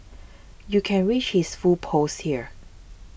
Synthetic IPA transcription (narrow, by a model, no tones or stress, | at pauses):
jukʰɛ̃nɹit͡ʃhisfupʰoshiəɹ